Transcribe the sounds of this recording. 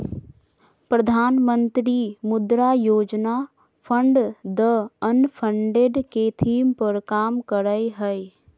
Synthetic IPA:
pɾəd̪ʱaːnmə̃nt̪ɾimʊd̪ɾaːjoːd͡ʒna | pʰə̃ɳɖd̪əənpʰəɳɖeɖket̪ʰiːmpəɾkaːmkəɾəjɦəj

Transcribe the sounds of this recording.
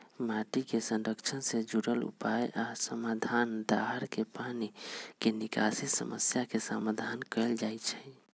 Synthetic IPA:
maʈikesə̃nɾəkt͡ʃʰənsẽd͡ʒuɾəlṵpajasəmad̪ʱand̪aɦəɾkepanikenikasit̪sə̰mə̰sjakesa̰mad̪ʱankəld͡ʒajt͡ʃʰɛ

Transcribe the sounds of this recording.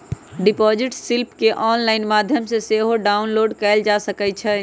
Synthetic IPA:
ɖipɔd͡ʒiʈsilpkeʔɔnlaɪnmad̪ʱjəmseseɦoɖaunloɖkɛɪld͡ʒasəkɛt͡ʃʰɛ

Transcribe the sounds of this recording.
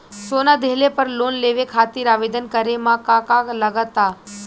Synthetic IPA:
soːnad̪elepəɾloːnleʋekʰat̪iːɾaːʋeːd̪ənkəɾemãkakakləɡət̪ːa

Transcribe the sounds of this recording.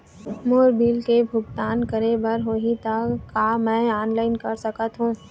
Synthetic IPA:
moːɾbiːlkebʱʊɡt̪aːnkəɾebɐɾɦoɦit̪akːamɛ̃ːaːnlaːɪnkɐɾsɐkət̪ɦũː

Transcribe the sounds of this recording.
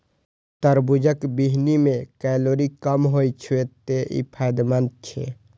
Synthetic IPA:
t̪əɾbud͡ʒəkbiɦnimẽkɛloːɾikəmɦoit͡ʃʰuet̪ːeʔḭpʰajd̪mənt͡ʃʰḛ

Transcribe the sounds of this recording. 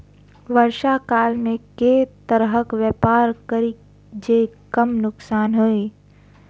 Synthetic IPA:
ʋəɾʃakaːlmẽket̪əɾɦəkʋjɛpaːɾkəɾi | d͡ʒeːkəmnʊksaːnɦoi

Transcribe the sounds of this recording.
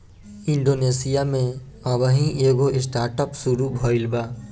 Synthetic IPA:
ɪ̃ɳɖoːneːsijamẽ | əʋəɦĩʔeːɡoʔɪsʈaːɾʈəpsuɾubʱɔːɪlbaː

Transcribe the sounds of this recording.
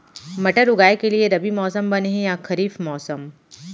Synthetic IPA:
mɐʈəɾʊɡaːekelieɾɐbimɔːsəmbɐneɦẽjaxɐɾiːfmɔːsəm

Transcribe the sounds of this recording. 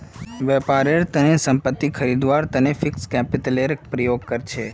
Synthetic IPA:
ʋɛpaɾeɾt̪ənesəmpət̪ːikʰəɾid̪ʋaɾt̪ənefikskɛpiʈəleɾpɾəjoɡ̚kəɾt͡ʃʰe

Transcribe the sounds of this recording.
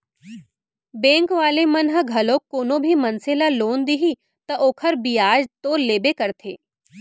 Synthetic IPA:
bẽːŋkʋaːlemɐnɦəɡʱɐlokːoːnõbʱimɐnselaloːnd̪iɦi | t̪ɐʔoːkʰəɾbijaːd͡ʒt̪oːleːbekɐɾt̪ʰḛː

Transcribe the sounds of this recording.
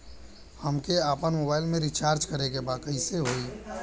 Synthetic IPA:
həmkeaːpənmoːbaːɪlmẽɾit͡ʃaːɾd͡ʒkəɾekebaːkəiseɦoiː

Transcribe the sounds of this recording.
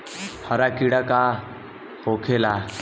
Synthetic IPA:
həɾakiɽaka | hokʰela

